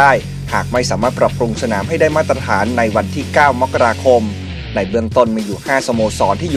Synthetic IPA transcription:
aː˥˩j | haː˨˩k̚ma˥˩jsaː˩˦maː˥˩t̪̚pɾa˨˩p̚ɾu˧ŋsa˧naː˩˦mɦa˥˩jdaː˥˩jmaː˥˩t̪ːɾa˧t̪ʰaː˩˦nːa˧jwa˧nt̪ʰiː˥˩kaː˥˩wma˦˥kːa˧ɾaː˧kʰo˧m | na˧jbɯ˥˩əŋt̪o˥˩nmiː˧juː˨˩haː˥˩so˧moː˧sɔː˩˦˥nt̪ʰiː˥˩j

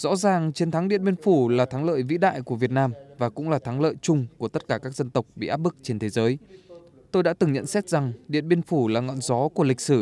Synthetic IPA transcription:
z̥ɔ̰˧˥zaː˨˩ŋt͡ɕe˧nt̪ʰa˨˦ŋɗḭ˧˨ənɓi˧ənfu˧˩laː˨˩t̪ʰa˨˦ŋlə̰ː˧˨jvḭ˧˥ɗa̰ː˧˨jku˧˩əvi˨˩ət̚naː˧mvaː˨˩kʊ̰˧˥ŋ͡mlaː˨˩t̪ʰa˨˦ŋlə̰ː˧˨jt͡ɕʊ˧ŋ͡mku˧˩ət̪t̚kaː˧˩kaː˦˥k̚zə˧nt̪ə˨˩wk͡p̚ɓḭ˧˨ʔaː˦˥p̚ɓɨ˦˥k̚t͡ɕe˧nt̪ʰe˨˦zəː˨˦j | t̪o˧jɗa̰ː˧˥t̪ɨ˨˩ŋɲə̰˧˨nsɛ˦˥t̚za˨˩ŋɗḭ˧˨ənɓi˧ənfu˧˩laː˨˩ŋɔ̰˧˨nzɔ˨˦ku˧˩əlï˨˩k̚sɨ˧˩

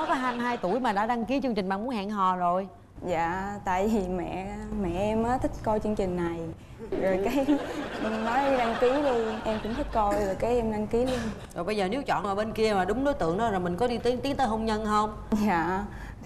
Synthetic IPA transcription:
ɔ˨˦kɔ˨˦ɦaː˧nɦaː˧jt̪u˧˩əjmaː˨˩ɗa̰ː˧˥ɗa˧ŋki˨˦t͡ɕɨ˧ŋt͡ɕï̟˨˩ɓaː˧˨m˨˦nha̰ː˧˨ŋɦɔ˨˩zo˨˩j | zaː˧˨t̪a̰ː˧˨jvi˨˩mɛ̰˧˨mɛ̰˧˨ʔɛ˧mʔaː˨˦t̪ʰï˦˥k̟̚kɔ˧jt͡ɕɨ˧əŋt͡ɕï˨˩ŋ̟na˨˩j | zo˨˩jkaː˨˦j | nɔ˨˦jɗa˧ŋki˨˦ɗu˧ʔɛ˧mkʊ˧˦ŋ͡mt̪ʰi˦˥k̟̚kɔ˧jzo˨˩jkaː˨˦jʔɛ˧mɗa˧ŋki˨˦lu˧nzo˨˩jɓə˧jzəː˨˩ne˨˦wt͡ɕɔ̰˧˨nʔəː˧˩ɓe˧nki˧əmaː˨˩ɗʊ˨˦ŋ͡mɗo˨˦jt̪ɨ̰˧˨əŋɗɔ˨˦zo˨˩jmï˨˩ŋ̟kɔ˨˦ɗi˧t̪i˨˦ŋt̪i˨˦əŋt̪əː˨˦ɦə˧wŋ͡mɲə˧nhə˧wŋ͡m | zaː˧˨

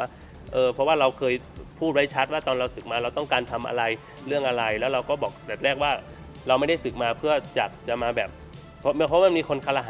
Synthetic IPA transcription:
aː˥˩ | ʔɤː˧pʰɔ˦˥waː˥˩ɾa˧wkʰɤː˧j | pʰuː˥˩t̪̚wa˦˥jt͡ɕʰa˦˥t̪̚waː˥˩t̪ɔː˧nɾa˧wsɯ˨˩k̚maː˧ɾa˧wt̪ɔ˥˩ŋkaː˧nt̪ʰa˧mʔa̰˧ɾa˧j | ɾɯ˥˩əŋʔa˧ɾa˧jlɛː˦˥wɾa˧wkɔː˥˩bɔː˨˩k̚d̪ɛː˨˩t̪̚lɛː˥˩k̚waː˥˩ | ɾa˧wma˥˩jda˥˩jsɯ˨˩k̚maː˧pʰɯ˥˩ɐt͡ɕaː˨˩k̚t͡ɕa˨˩maː˧bɛː˨˩p̚ | pʰɔ˦˥mi˧pʰɔ˦˥waː˥˩miː˧kʰo˧nkʰaː˧˩la˧ɦaː˨˦

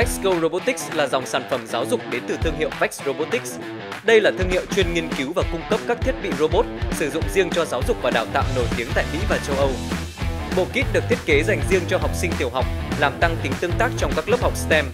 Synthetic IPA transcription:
k̚skə˧wɾo˧ɓo˦˥t̪ï˦˥k̚slaː˨˩za˨˩wŋ͡msaː˧˩nfə˧˩mzaː˨˦wzʊ˨˩k͡p̚ɗe˨˦nt̪ɨ˨˩t̪ʰɨ˧əŋhɦḭ˧˨əwvɛ˦˥k̚sɹo˧ɓo˦˥t̪ï˦˥k̚s | ɗə˧jlaː˨˩t̪ʰɨ˧əŋhḭ˧˨əwt͡ɕwi˧ənŋi˧ənki˨˦wvaː˨˩kʊ˧ŋ͡mkə˦˥p̚kaː˦˥k̚t̪ʰi˦˥ət̚ɓḭ˧˨zo˧ɓo˦˥t̚sɨ˧˩zʊ̰˧˨ŋ͡mzi˧əŋt͡ɕɔ˧zaː˨˦wzʊ˨˩k͡p̚vaː˨˩ɗaː˨˩wt̪a̰ː˧˨wno˧˩jt̪i˨˦əŋt̪a̰ː˧˨jmḭ˧˥vaː˨˩t͡ɕə˧wʔə˧w | ɓo̰˧˨ki˦˥t̚ɗɨ˨˩k̚t̪ʰi˦˥ət̚ke˨˦za˨˩jŋ̟zi˧əŋt͡ɕɔ˧ɦa˨˩wk͡p̚sï˧ŋt̪i˨˩əwɦa˨˩wk͡p̚laː˨˩mt̪a˧ŋt̪ï˨˦ŋt̪ɨ˧əŋt̪aː˦˥k̚t͡ɕɔ˧wŋ͡mkaː˦˥k̚lə˦˥p̚ha˨˩wk͡p̚st̪ɛ˧m

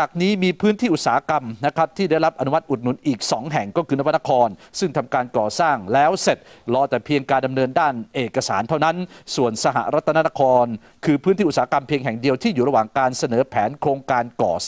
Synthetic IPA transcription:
t͡ɕaː˨˩k̚niː˦˥miː˧pʰɯː˦˥nt̪ʰiː˥˩ʔu˨˩t̪̚saː˩˦a˦˥˧ka˧mna˦˥kʰa˦˥p̚t̪ʰiː˥˩da˥˩jɾa˦˥p̚ʔa˧nu˦ma˦˥t̪̚ʔu˨˩t̪̚nu˩˦nʔiː˨˩k̚sɔ˩˦ŋɦɛ˨˩ŋkɔː˥˩kʰɯː˧na˦˩wpa˥˩˧a˥kʰɔː˧nsɯ˥˩ŋt̪ʰa˧mkaː˧nkɔː˨˩saː˥˩ŋlɛː˦˥wse˨˩t̪̚lɔː˦˥t̪ɛː˨˩pʰi˧əŋkaː˧nda˧mnɤː˧ndaː˥˩nʔeː˨˩kːa˧saː˩˦nt̪ʰa˥˩na˦˥nsu˨˩ənsa˧ɦa̰˨˩ɾa˦˥t̪ʰːa˧na˧˥na˧˥kʰɔː˧n | kʰɯː˧pʰɯː˦˥nt̪ʰiː˥˩˨saː˨˦˧ka˧mpʰi˧əŋɦɛ˨˩ŋdi˧əwt̪ʰiː˥˩juː˨˩ɾa˧waː˨˩ŋkaː˧nsa˧nɤː˩˦pʰɛː˩˦nkʰɾoː˧ŋkaː˧nkɔ̰ː˨˩

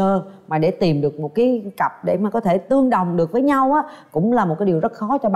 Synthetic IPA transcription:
əː˧maː˨˩ɗe˧˩t̪i˨˩mɗɨ˨˩ək̚mo˨˩t̚kaː˨˦kə˨˩p̚ɗe˧˩maː˨˩kɔ˨˦t̪ʰe˧˩t̪ɨ˧əŋɗə˨˩wŋ͡mɗɨ˨˩ək̚vəː˨˦jɲa˧wʔaː˨˦kʊ̰˧˥ŋ͡mlaː˨˩mo˨˩t̚kaː˨˦ɗi˨˩wzt̚xɔ˨˦t͡ɕɔ˧ɓ

